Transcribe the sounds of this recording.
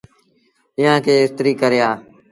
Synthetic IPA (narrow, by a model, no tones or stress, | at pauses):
ɪjãːkʰeːɪst̪ɾiːkəɾɪjaː